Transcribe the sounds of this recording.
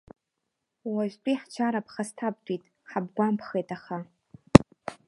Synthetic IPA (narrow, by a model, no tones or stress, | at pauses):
waʒʷᶣtʷʼiħt͡ʃʷʰaɾapʰχastʰab̚dʼitʼ | ħabɡʷampʰχejtʼaχa